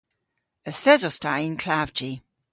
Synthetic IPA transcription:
əθɛzɔstaɪnkʰl̥avd͡ʒi

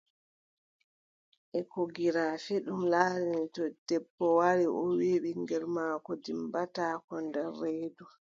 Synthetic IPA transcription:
ʔɛkoɡiɾaːfɛɗumlaːɾinitɔd̥ɛbːɔwaɾiʔɔwiɓiŋɡɛɾmaːkɔdimbataːkɔndɛrːeːdu

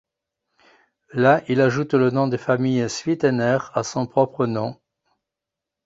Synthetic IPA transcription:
laʔilaʒut̪lənɔ̃d̪efamijsɥit̪ɛnɛʁasɔ̃pχɔpχənɔ̃

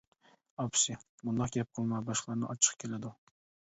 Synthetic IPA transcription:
ɒpsimʊnd̪ɑqɡʲɛp̚qʰɨlˠmabɑʃqlˠɑɾnɪ̰ʔɒt͡ʃʰɨ̥qkʲʰelad̪ʊ

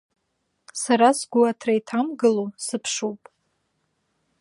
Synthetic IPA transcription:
saɾasɡʷuatʰrajtʰamɡɨlusɨpʰʂuwpʼ

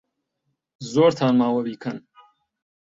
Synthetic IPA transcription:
zoːɾt̪ʰaːnmaːwɐɾiːkʰɐn

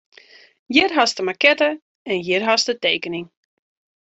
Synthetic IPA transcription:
jɪrɦastəmakɛtə | ɛnjɪrɦastəteːkənɪŋ

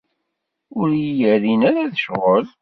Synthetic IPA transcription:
ʊɾjijəɾinaɾaðəʃʁəl

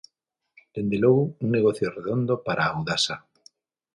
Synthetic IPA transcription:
d̪̥end̪eloɣʊuŋneɣoθjoreðond̪opaɾaːwðasa

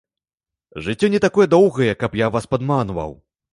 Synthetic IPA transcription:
ʐɨt͡sʲːɔnʲɛt̪akɔjɛd̪ɔwɣɐjɛkɐpjavaspad̪manvɐ̰w

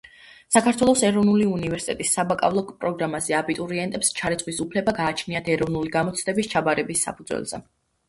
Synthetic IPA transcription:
sakʰaɾt̪ʰwɛlˠɔsɛɾɔvnuliunivɛɾsit̪ʼɛt̪ʼisːabakʼa̰vlˠɔkʼpʼɾɔɡɾamazɛabit̪ʼuɾiɛnt̪ʼɛpst͡ʃʰaɾit̪sʰʼχwisupʰlɛbaɡaːt͡ʃʰniat̪ʰɛɾɔvnuliɡamɔt̪sʰd̪ɛbist͡ʃʰabaɾɛbisːa̰pʰud̪zwɛ̰lˠz̥ɛ̰

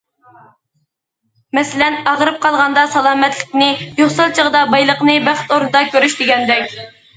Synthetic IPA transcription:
mɛsɪlɛnɑʁɾɨp̚qʰɑlˠʁɑnd̪ɑsɑlˠɑːmɛt̪lɪk̚ʲnɪjoχsɨlˠt͡ʃʰəʁəd̪ɑbɑjlˠəqnɨbæχt̪oɾnɨd̪ɑkʲʰøɾyʃd̪ɪɡʲɛnd̪ɛkʲ

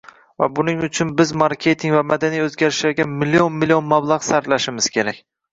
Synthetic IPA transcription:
va̰bʊnɪŋʊt͡ʃʰʊnbɪzmaɾkʲʰe̞t̪ʰɪŋvamad̪anijɵzɡʲaɾɪʃlaɾɡʲamɪlːionmɪlijonmablˠaʁsaɾt̪laʃɪmɪz̥kʲʰe̞ɾakʲ

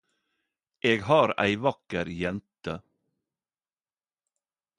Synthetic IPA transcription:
ʔeːɡhɑːɾæ̰ɪʋɑkəɾjɛnt̪ə

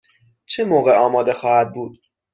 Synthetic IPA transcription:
t͡ʃʰemoːɣe̞ɒːmɒːd̪e̞xɒːhæd̪̚buːd̪̥

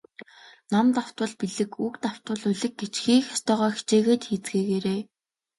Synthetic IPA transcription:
namt̪aw̥t̪wə̆ɮpiɮɘ̆kukt̪aw̥t̪wə̆ɮɵɮɘ̆k̚ɡet͡ɕxiːxḁst̪œːʁœːxi̥t͡ɕeːɣeːt̪xiːt͡sɡeːɣeːɾeː

